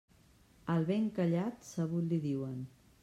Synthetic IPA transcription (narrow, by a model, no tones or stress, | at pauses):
əlˠβeŋkəʎat̪səβ̞ut̪liðiwən